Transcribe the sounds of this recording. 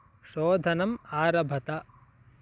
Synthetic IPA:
ʃoːd̪ʱɐnɐmaːɾɐbʱɐt̪a

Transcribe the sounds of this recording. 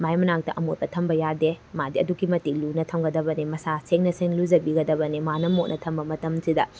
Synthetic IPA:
majmɐnak̚tɐʔɐmot̚bɐtʰɐmbɐjademadiɐdukimɐtik̚lunɐtʰɐmɡɐdɐbɐnimɐsaseŋnɐseŋlud͡ʒɐbiɡɐdɐbɐnimanɐmok̚nʔɐtʰɐmbɐmɐtɐmsʰidɐ

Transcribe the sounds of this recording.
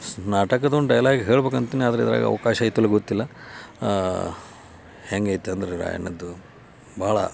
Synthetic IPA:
naːʈɐkɐd̪oɳɖɐjlaːɡeɦeːɭbeːkɐnt̪iːnaːd̪ɐɾeid̪ɐɾa̰ːɡɐ̰ʋɐkaːʃɐːjit̪ːulːɐɡot̪ːilːɐ | heŋɡɐjit̪ːeɐnd̪ɐɾeɾa̰ːjɐ̰nːɐd̪ːu | bʱaːɭɐ̰

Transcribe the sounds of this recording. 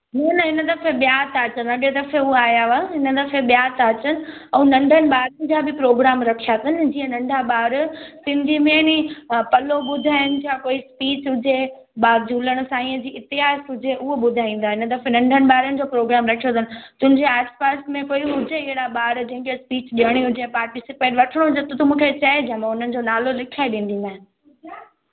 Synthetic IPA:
nɐnɐɦɪnəd̪ɐfeɓijaːt̪aːt͡ɕənɐɠed̪ɐfeʊɦaaːjaʋaɦɪnə̆d̪ɐfeɓijat̪aːt͡ɕənɪ̆ɛ̃ːnɐ̃ɳɖʱənɪ̆ɓaːɾənɪ̆d͡ʑaːbɪpɾoːɡɾaːmɾɐkʰijat̪ʰənɪ̆d͡ʑiːə̃nɐ̃ɳɖʱaɓaːɾsɪ̃nd̪ʱimẽnipɐloɓʊd̪ʱaːjʊnɪ̆d͡ʑakoːispiːt͡ɕɦʊd͡ʑʱe | ɓaːɾd͡ʑʱuːləɽ̃ʊ̆saːĩəd͡ʑiːɪt̪ɪɦaːsɦʊd͡ʑʱeʔʊɦoɓʊd̪ʱaːĩːn̆d̪aːɦɪnət̪ɐfnɐ̃ɳɖʱənɪ̆ɓaːɾənɪ̆d͡ʑoːpɾoːɡɾaːmɾɐkʰijot̪ʰənɪ̆t̪ʊ̃ɦɪ̃ɲd͡ʑeaːspaːsmẽkoːiɦʊd͡ʑʱeɪɦɪɽaɓaːɾd͡ʑɐ̃ɦɪ̃kespiːt͡ɕɗiəɽ̃iɦʊd͡ʑʱepaːɾʈɪsɪpeːʈʋɐʈʰəɽ̃õɦʊd͡ʑet̪t̪əmũːkʰet͡ɕɐed͡ʑɐ̃mãʊn̤ənɪ̆d͡ʑoːnaːlolɪkʰaːeɗĩːn̆d̪ĩnʱaːɦn

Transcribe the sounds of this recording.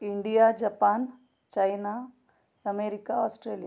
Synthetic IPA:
iɳɖijad͡ʒɐpaːn | t͡ʃɐjna | ɐmeːɾikaɔːsʈɾeːlja

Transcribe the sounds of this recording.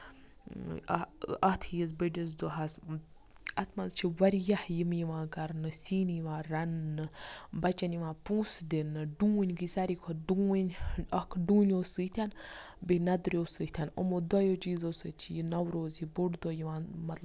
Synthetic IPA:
ɐht̪ʰijiz̬bəɖʲiz̬d̪oɦɐs | ɐt̪ʰmɐzt͡ʃʰiʋɐɾjɐhjimjiʋãːkɐɾnɨsiːnjʋãːɾɐnːɨbɐt͡ʃɐnjiʋãːpũːsd̪inɨɖũːnʲɡisɐɾikʰoɖuːnʲɐkʰɖũːnʲoːsɨt̪ʰʲanbinɐd̪ɾʲjoːsɨht̪ʰʲano̰mod̪ɔjot͡ʃiːzosɨt͡ʃʰijinɐwɾoːzibuɽd̪oːjiʋãːnmɐt̪lɐb

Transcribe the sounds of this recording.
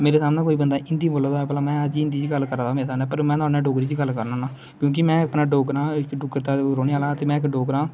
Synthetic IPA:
meːɾeːsaːmnɛ̃ːkoːiːbənd̪aːʔɪnd̪iːməːlːəd̪aɛːpəlaːmɛ̃ːəd͡ʒiːɪ̃nd̪iːd͡ʒiːɡəlkəɾãːd̪aːmeːɾesaːmnɛ̃ːpəɾmɛ̃ːt̪ʊaːnɛ̃ːɖoːɡɾiːd͡ʒiːɡəlkəɾnãːnaː | kjõːk̬ɪmɛ̃ːəpnãːɖoːɡɾãːɪkɖʊkəɾt̪aːɾoːniaːlãːt̪eːmɛ̃ːɪkɖoːɡɾãː

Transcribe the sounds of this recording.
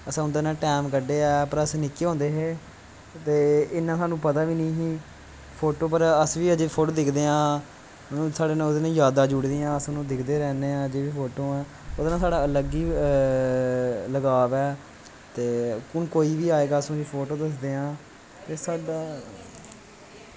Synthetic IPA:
əsãːʊnd̪eːnãːʈɛːmkəɖeːɛːpəɾəsːnɪkːeːɦõːnd̪eːɦeː | t̪eːɪnãːsãːnũːpət̪aːʋiːnəĩːɦĩː | pʰoːʈoːpəɾəsʋiːəd͡ʒepʰoːʈoːd̪ɪkʰd̪eːãː | nũːsaːɖeːnãːod̪ːnãːjaːd̪aːd͡ʒʊɽd̪ijãːəsãːnũːd̪ɪkʰd̪eːɾɛːneːãːəd͡ʒeːʋiːpʰoːʈõːɛː | ʊd̪eːnãːsaːɖaːələɡiː | ləɡaːʋɛː | t̪eːkʊnkoːiːʋiːaːeːɡaːəsũːd͡ʒiːpʰoːʈoːd̪əs̬d̪eːãː | t̪eːsaːɖaː

